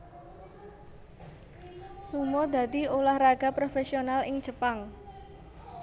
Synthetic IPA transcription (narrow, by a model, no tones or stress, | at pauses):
sumɔd̪̥ä̤d̪iolahraɡ̥a̤pɾofɛsionalɪŋ̥ʒ̥ə̤paŋ